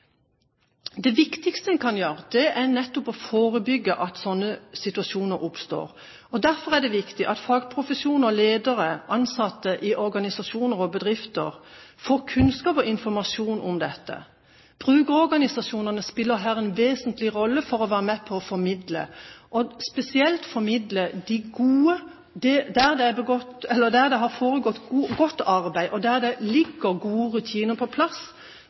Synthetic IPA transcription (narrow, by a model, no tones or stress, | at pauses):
d̪ɛʋɪkt̪ɪkst̪əɛnkʰɑnjøːʁəd̪̥ɛʔæʁnɛt̪ːʊpɔfoːɾəbʏɡːəʔɑt̪sɔnːəsɪt̪ʉɑsuːnəɾʔʊpst̪o̰ːɾ | ɔd̪æʁfɔʁæd̪ɛʋɪkt̪ɪʔɑt̪fɑːɡpʰʁʊfəsjuːnəɔleːd̪əɾəʔɑnsɑt̪ːəʔɪʔɔɾɡɑnɪsɑsuːnəɾɔbəd̪ʁɪft̪ə̰ʁfoːkʰʉnskɑːpɔɪnfɔɾmɑsjuːnʊmd̪ɛt̪ːə̰ | b̥ʁʉːɡəɾɔɾɡɑnɪsɑsuːnənəspɪlːəɾɦæːɾɛnʋeːsənt̪lɪɾɔlːəfɔɾɔʋæːɾəmɛpʰɔɔfɔɾmɪd̪lə̰ʔɔspɛsɪɛlt̪fɔɾmɪd̪ləd̪ɪɡuːə | d̪ɛd̪æʁd̪ɛæbɛɡɔt̪ɛlːəd̪æʁd̪ɛɦɑʁfoːɾəɡɔt̪ːɡɔt̪ːɑɾbæɪʔɔd̪æʁd̪ɛlɪɡːəɾɡuːəɾʉt̪ʰiːnəpʰɔpʰlɑs